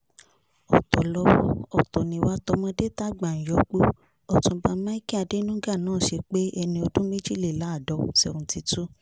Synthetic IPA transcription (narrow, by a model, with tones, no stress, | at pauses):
ɔ˨tɔ˨lɔ˧ɔ˨tɔ˨nĩ˨˦wa˦tɔ˧mɔ̃˧de˦ta˦ɡ͡ba˨ñ̩˨jɔ˨˦k͡po˦ | ɔ˨tũ˧ba˧mã˦i˦ki˦a˧˨de˦nũ˦ɡa˦˨nãː˦˨ʃe˧k͡pe˦ɛ˧nĩ˧o˧dũ˦mĩ˦d͡ʒi˦˨li˨la˨˦˨dɔ˨˦sɛ˧ũ˧˨ti˧tu˦